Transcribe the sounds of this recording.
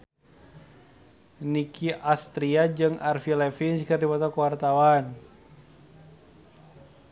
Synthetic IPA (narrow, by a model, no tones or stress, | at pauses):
nikʰiʔast̪ɾiad͡ʒɨŋʔarfilɛfinskɨrdipɔt̪ɔkəwart̪awan